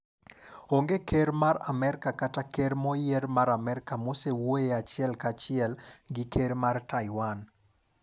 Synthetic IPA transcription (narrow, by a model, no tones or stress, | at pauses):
oŋɡekeɾmaɾamɛɾkakatakeɾmɔjeɾmaɾamɛɾkamosewoeat͡ʃɪɛlkat͡ʃɪɛlɡɪkʰeɾmartaɪwan